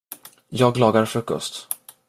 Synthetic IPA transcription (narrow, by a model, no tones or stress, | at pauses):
jɑːɡlɑːɡaɾfɾɵkːɔ̰st̪